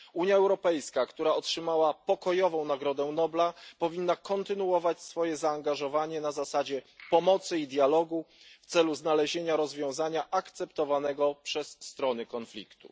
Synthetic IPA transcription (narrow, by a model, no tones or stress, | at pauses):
uɲjaɛwɾɔpɛjskakt̪uɾaɔtʂɘmawapɔkɔjɔvɔ̃w̃naɡɾɔd̪ɛnɔblapɔvʲinːakɔnt̪ɘnuɔvat͡ɕsfɔjɛzaːŋɡaʐɔvaɲɛnazasad͡ʑɛpɔmɔt̪sɘid̪jalɔɡu | ft̪sɛluznalɛʑeɲaɾɔzvʲjɔ̃w̃zaɲaʔakt̪sɛp̚t̪ɔvanɛɡɔpʂɛsːt̪ɾɔnɘkɔnflʲḭkt̪ṵ